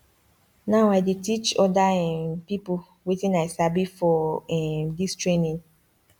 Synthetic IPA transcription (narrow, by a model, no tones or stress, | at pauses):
naʊaɪdetit͡ʃɔdaɛmpipʊ | witĩnaɪsabifɔɛmdistɹenĩn